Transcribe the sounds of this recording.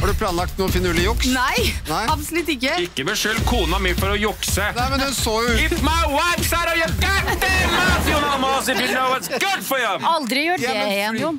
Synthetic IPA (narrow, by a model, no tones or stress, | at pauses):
hɑɖʉpʰlɑːnlɑk̚t̪nuːnfɪnʉːlɪjʊksnæɪnæɪɑpsɔlʉt̪ːɪkːəɪkːəmɛʂølkʰuːnɑmyfɔɾɔjʊksənæɪmɛnd̪ɛnsoːjʊɪpmaɪwaɪfsæɾɔjɛɡad̪ɛmaʊmamɔsɪbinoʊwɔt̪sɡʊdfɔjɑɑld̪ɾɪjuːɛnʊ